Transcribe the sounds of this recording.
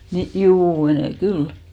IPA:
ni juː meneˑ kyl

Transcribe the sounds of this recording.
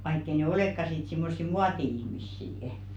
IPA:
ʋɑikː ei ne oleˑkːɑ sit simːosːi muɑtiihmisːiːə̆

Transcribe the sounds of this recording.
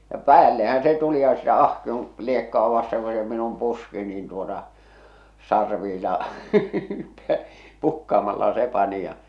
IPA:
jɑ pæːlːehæn se tuli jɑ sitæ ɑhkion liekːə̆ɑˑ ʋɑsteŋ ko se minum puski nin tuotɑ sɑrʋiːlɑ pukːɑːmɑlːɑ se pɑni jɑ

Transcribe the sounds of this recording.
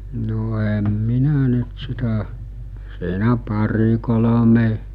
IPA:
no em minæ nyt sitæ siːnæ pɑri kolome

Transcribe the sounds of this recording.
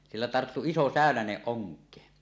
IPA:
silːæ tɑrtːu iso sæˑønæneʔ ʔoŋkˑeː

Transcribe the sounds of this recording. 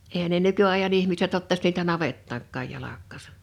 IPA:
eːhæn ne nykyɑe̝jɑn ihmiset otːɑs niːtæ nɑʋetːɑːŋkːɑˑj jɑlɑkːɑːsɑ̥

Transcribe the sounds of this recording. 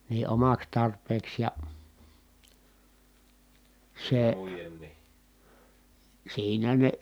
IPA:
ni omɑks tɑrpˑeːks jɑ seˑ siːnæ ne

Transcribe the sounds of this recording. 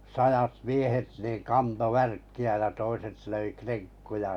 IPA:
sɑjɑt miehet niːŋ kɑnto ʋærkːiæ jɑ toiset løi kreŋkːujɑ

